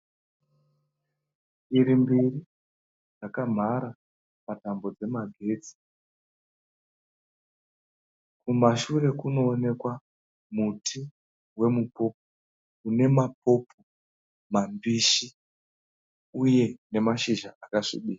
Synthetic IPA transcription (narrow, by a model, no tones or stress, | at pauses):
iɾimbiri | d͡zakam̤aɾa | patambo̞d͡ze̞maɡʱe̞ːd͡zi̥ | kumaʃure̞kuno̞ːne̞kwa | mutʰi | we̞mupo̞ːp̚o | une̞map̚ʰo̞po | mambiʃi | uje̞ne̞maʃiʒaʔakaʂḭɓiːa